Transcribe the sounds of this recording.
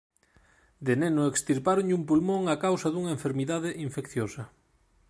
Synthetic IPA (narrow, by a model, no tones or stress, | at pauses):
d̪enenʊekst̪iɾpaɾoɲʎumpulmõŋakawsɐðuŋɐeɱfeɾmiðaðeʔiɱfekθjosɐ